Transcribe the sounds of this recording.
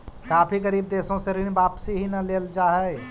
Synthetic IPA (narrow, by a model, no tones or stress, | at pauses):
kaːpʰiɡəɾiːb̚d̪eːsõseɾinbaːpsiɦinɐleːld͡ʒaːɦɛɪ